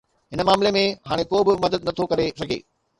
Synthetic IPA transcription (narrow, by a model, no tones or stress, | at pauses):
ɦɪnəmaːmlemẽɦaːɽ̃ekoːbɪmɐd̪əd̪nɐt̪ʰokɐɾesɐɡʱḛː